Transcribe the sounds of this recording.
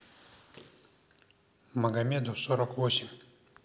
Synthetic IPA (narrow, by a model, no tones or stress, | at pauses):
maɡamed̪osoɾakoɕi